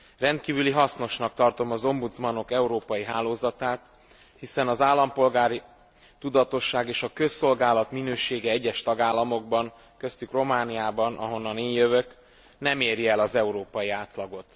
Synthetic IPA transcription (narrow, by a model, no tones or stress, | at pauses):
rɛnt̪kiːvyliɦɒsno̞ʃnɒkt̪ɒrt̪o̞mɒzo̞mbut̪smɒno̞kɛuɾoːpɒjiɦaːloːzɒt̪aːt̪ | hisɛnɒzaːlːɒmpo̞lɡaːɾi | t̪ud̪ɒt̪o̞ʃːaːɡeːʃɒkøsːo̞lɡaːlɒt̪minøːʃeːɡɛɛɟːɛʃt̪ɒɡaːlːɒmo̞ɡ̚bɒŋ | kø̞st̪ykro̞maːnijaːbɒnʔɒɦo̞nːɒneːɲjø̞vø̞k | nɛmeːɾiɛlɒzɛuɾoːpɒjiaːt̪lɒɡo̞t̪